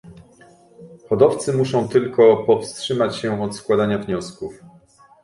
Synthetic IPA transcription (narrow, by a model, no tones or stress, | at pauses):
xɔd̪ɔft̪sɘmuʂɔ̃w̃t̪ɘlkɔpɔfstʂɘmat͡ɕɕɛɔt̪skwad̪aɲavɲɔskuf